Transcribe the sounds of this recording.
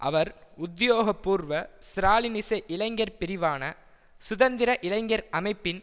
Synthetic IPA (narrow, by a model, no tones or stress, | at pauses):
ʔɐ̰ʋɐɾʊd̪joːɣɐpːuːɾʋɐsɾaːlɪnɪsɐʔɪlɐɪŋɡɐɾpɪɾɪʋaːnɐ | sʊðɐnd̪ɪɾɐʔɪlɐɪŋɡɐɾɐmɐɪpːɪn